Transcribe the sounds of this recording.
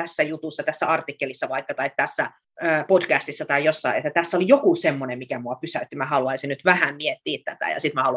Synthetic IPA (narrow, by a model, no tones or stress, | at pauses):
æsːæjut̪usːɑt̪æsːæɑrt̪ikːelisːɑʋɑikːɑt̪ɑikt̪æsːæ | əːpodkæst̪isːɑt̪ɑijjosːɑiet̪ːæt̪æsːolijokusemːonemmikæmuɑpysæyt̪ːimæhɑluɑisinnyt̪ʋæhæmmiet̪ːiːt̪t̪æt̪æ̰jɑ̰sit̪mæhɑlu